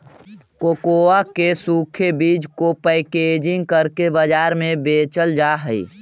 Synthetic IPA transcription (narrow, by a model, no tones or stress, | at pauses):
kokoakesuːkʰebiːd͡ʒkopəɪked͡ʒɪ̃ŋɡkəɾkebəd͡ʒaːɾmẽbeːt͡ʃəld͡ʒaːɦəḭ